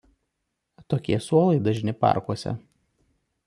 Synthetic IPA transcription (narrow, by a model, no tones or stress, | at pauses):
t̪oːkʲiɛsuɔlˠɐɪd̪ɐʒʲnʲɪpɑ̰ˑɾkuɔsʲɛ̰